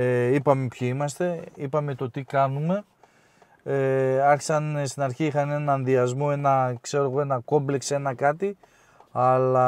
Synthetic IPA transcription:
eipɐme̞pçiimɐst̪e̞ipɐme̞t̪o̞t̪ikɐnume̞ | ɐçi̥sɐnest̪inɐɾçiixɐne̞nɐːnðiɐzmo̞e̞nɐkse̞ɾo̞ɣo̞e̞nɐko̞mblekse̞nɐkɐt̪i | ɐlɐ

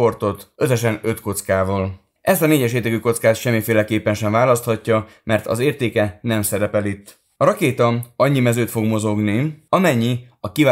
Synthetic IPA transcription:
o̞rt̪o̞t̪ø̞sɛʃɛnø̞t̪ko̞t̪skaːvɒːl | ɛst̪ɒneːɟɛʃeːrd̪ɛkyko̞t̪skaːt̪ʃɛmːifeːlɛkeːpːɛnʃɛɱvaːlɒst̪hɒcːɒmɛrt̪ɒ̰zeːrt̪eːkɛnɛmsɛɾɛpɛlit̪ː | ɒɾɒkeːt̪ɒɒɲːimɛzøːt̪fo̞ɡmo̞zo̞ɡniɒmɛɲːi | ɒkivaː

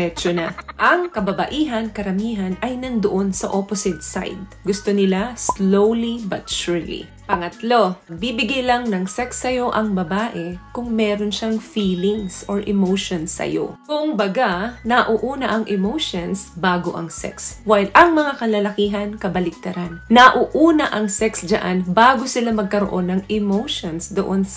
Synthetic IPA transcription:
ɛt͡ʃonaʔɐŋkɐbɐbɐʔiːɦɐnkɐɾɐmiːɦɐnɐjnɐnd̪oʔonsɐʔoposɪt̪̚sa̰jd̪̚ | ɡʊst̪onɪlaslowlibɐt̪̚ʃuɹlḭ | pɐŋɐt̪lo̞ɐɡ̚bibɪɡajlaŋnɐŋsɛksːɐjo̞ʔɐŋbɐbaːʔɛkʊŋmɛːɾonʃaŋfiːlɪŋsoɹʔɪmowʃonsːɐ̰jo̰kʊŋbɐɡanɐʔoʔuːnɐʔɐŋʔɪmowʃonsbaːɡo̞̰ʔɐ̰ŋsɛ̰kswajlʔɐŋmɐŋakɐlɐlɐkiːɦɐnkɐbɐlɪk̚t̪ɐɾanːɐʔuːʔuːnɐʔɐŋsɛksd͡ʒɐʔanbaːɡosɪlamɐɡ̚kɐɾo̰ʔo̞nːɐŋɪmowʃonsd̪oʔons

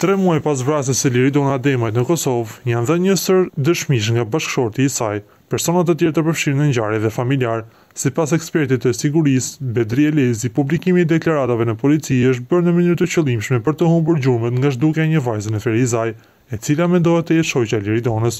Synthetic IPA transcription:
t̪ɾɛmuɛpas̬vɾas̬əsəliɾid̪ɔnad̪ɛmajt̪nəkɔsɔvjanðənɲəsəɾd̪əʃmiʃ̬ŋɡabaʃkʃɔɾt̪iːsaj | pɛɾsɔnat̪ət̪jɛɾt̪əɾpəɾfʃiɾnəɲɟaɾiðɛfamiliaɾ | sipasɛkspɛɾt̪it̪əsiɡuɾisbɛd̪ɾiɛlɛzipublikimid̪ɛklaɾat̪avɛnəpɔlit͡siəʃ̬t̪̚bəɾnəmənyɾt̪ət͡ɕəlˠimʃmɛpəɾt̪əhumbuɾd͡ʑuɾmɛt̪ŋɡaʃ̬d̪ukɛɲəvajzinɛfɛɾis̬aj | ɛt͡silamɛnd̪ɔɦɛt̪ːəjɛt̪ʃɔjt͡ɕaliɾid̪ɔnəs

